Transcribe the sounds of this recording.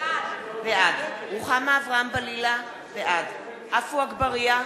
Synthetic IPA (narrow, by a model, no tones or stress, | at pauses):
veʔad̪ʁuχamaːvʁaambalila | veʔad | hafuaɡbaʁia